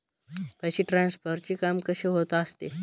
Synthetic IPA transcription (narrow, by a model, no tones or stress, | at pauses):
pəɕiːʈɾãnspəɾt͡ɕikamkəɕeɦot̪aəst̪e